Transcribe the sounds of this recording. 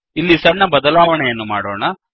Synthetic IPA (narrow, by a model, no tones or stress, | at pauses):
ilːisɐɳːɐbɐd̪ɐlaːʋɐɳɛjɐnːumaːɽoːɳɐ